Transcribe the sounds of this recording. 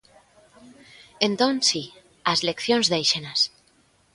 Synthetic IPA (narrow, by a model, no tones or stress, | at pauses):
ent̪onsi | azlekθjonzðejʃenas